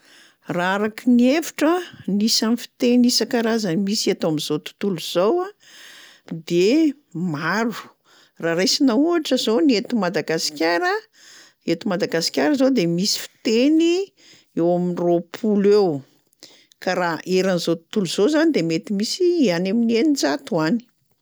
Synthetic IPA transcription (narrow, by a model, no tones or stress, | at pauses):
raaɾakiniefi̥ʈ͡ʂənisanifi̥t̪enisakaɾazəmisiat̪oamizot̪u̥t̪uluz̥owa | d̪e | maɾu̥ | raɾejsinauaʈ͡ʂəzoniet̪umad̪aɡasi̥kʲaɾə | et̪umad̪aɡasi̥kʲjaɾəzod̪emisi̥fi̥t̪eni | ewaminropʰulew | kaɾaʔeɾanizot̪u̥t̪uluz̥ozanid̪emet̪imisianaminenid͡zat̪uani̥